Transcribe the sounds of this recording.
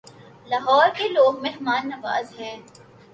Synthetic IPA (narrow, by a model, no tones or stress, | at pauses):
laːɦɔːɾkeloːɡmẽɦmaːnːɐʋa̰ːzɦɛ̃ː